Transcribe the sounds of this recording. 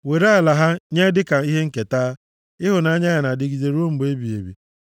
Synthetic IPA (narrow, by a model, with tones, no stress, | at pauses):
we˨ɾe˦a˨la˨ɦa˦ɲe˦dɪ˦ka˨i˦ɦe˦ŋ̩˦ke˨taː˦ | ɪ˦ɦʊ˨na˨a˦ɲa˦ɣa˨na˨dɪ˦ɡi˨ze˨ɾu˦o˦m̩˨˦be˦bi˨ḛ˨bḭ˨